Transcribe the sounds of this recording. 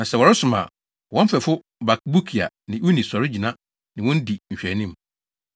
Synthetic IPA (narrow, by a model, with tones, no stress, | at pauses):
nã˨sɛ˨wɔ˨ɾɪ˦sʊ˨mã̰˨ | wɔ̃˦m̩˦fɛ˨fʊ˦ | ba˨k̚bu˦kʰi˨a̰˨ | nɪ̃˨wu˦nĩ˨sɔ˨ɾɪ˦d͡ʑi˨nã˦ | nɪ̃˨wɔ̃˦n̩˦di˨ɲ̩˨ɕᶣɛ˨nĩ˦m˨